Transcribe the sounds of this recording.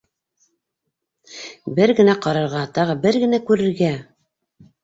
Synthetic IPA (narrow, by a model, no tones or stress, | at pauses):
bɘɾɡɘ̆næqɑɾɤ̆ɾʁɑt̪ɑʁɤbɘɾɡɘ̆nækʉɾɘ̆ɾɡæ